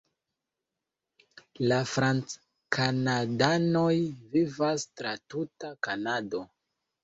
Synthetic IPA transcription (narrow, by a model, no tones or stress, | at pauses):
lafɾant͡s | kanadano̞jvivastɾatutakanado̞